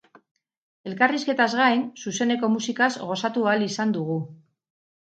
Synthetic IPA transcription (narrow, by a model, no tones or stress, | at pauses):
e̞lkariske̞t̪azɣajnsuse̞ne̞ko̞musikazɣo̞sat̪ualisand̪uɣu